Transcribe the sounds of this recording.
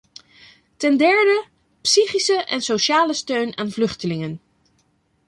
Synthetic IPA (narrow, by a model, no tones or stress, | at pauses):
tɛndɛɹdə | psiχisəʔɛnsowʃaːləstøɥnʔaːnvlɵχtəlɪŋən